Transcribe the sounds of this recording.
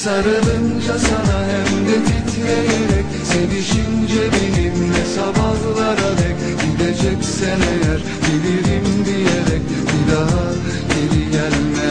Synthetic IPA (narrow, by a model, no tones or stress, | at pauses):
saɾɯlɯnd͡ʒasanaɦɛmd̪ɛb̪ʰit̪ʰlejeɾɛc | sediʃind͡ʒɛbilimvɛsabaɦlˠaɾad̪ɛc | ɟid̪ed͡ʒɛcsenɛjæɾ | biliɾimd̪ijeɾɛc̚ | b̥id̪aɦa | ɟeliɟælʲmɛ